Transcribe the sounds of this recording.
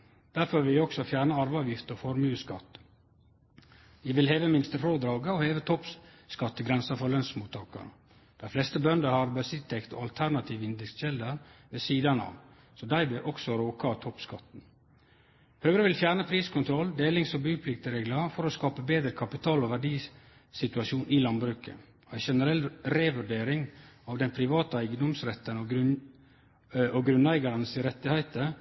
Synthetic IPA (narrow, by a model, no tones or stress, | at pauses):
d̪̥æɾfɔɾʋɪlɔksɔfjæːɾɳəɑɾʋəɑʋjɪft̪əɔfɔɾmʉːskɑ̰t̪ː | jɪʋɪlheːʋəmɪnst̪əfoːd̪ɾɑːɡəoheːʋət̪ʰɔp | skɑt̪ːəɡɾɛnsɑfɔɾɭœnsmuːt̪ʰːɑːkə̰ɾə | d̪̥æɪflɛst̪əbœnd̪əɾhɑɾbəsɪtt̪ʰːɛkt̪o̰ɑlt̪ʰæɾnɑt̪ʰiːʋɪnd̪ɛksʃɛld̪əɾʋeːsiːd̪ɑnɑ̰ʋ | sɔd̪æɪbɪʔɔksɔɾoːkɑt̪ʰɔpskɑt̪n̩ | høːɡɾəʋɪlfjæːɾnəpʰɾiːskʰʊnt̪ʰɾɔld̪eːlɪŋsɔbʉːpʰlɪk̚t̪əɾeːɡləfɔɾɔskɑːpəbeːd̪ɾəkʰɑpɪt̪ʰɑːlɔʋæɖiː | sɪt̪ʉɑʃuːnʔɪlɑnbɾʉːkə̰ | ɔæɪʃɛnəɾɛlɾeːʋʉɖeːɾɪŋɑʋd̪ɛnpʰɾɪʋɑːt̪əæɪɡnɔmsɾɛt̪ːənɔɡ | ɔɡɾʉnæɪɡɑɾənsɪɾɛt̪ːɪhæɪt̪ə